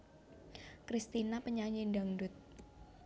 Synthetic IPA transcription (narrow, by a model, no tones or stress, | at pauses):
kɾist̪inapəɲaɲinɖaŋdʊt̪̚